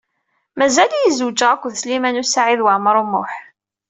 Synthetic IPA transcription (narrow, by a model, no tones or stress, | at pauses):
mæzæljizuwd͡ʒaʁækʷːðslimænusaʕiðwaʕməɾˤumːʊ̰ħ